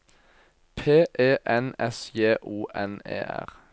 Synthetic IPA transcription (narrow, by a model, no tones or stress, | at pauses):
pʰeːʔeːʔɛnɛsjeːʔuːʔɛnḛːʔæ̰ʁ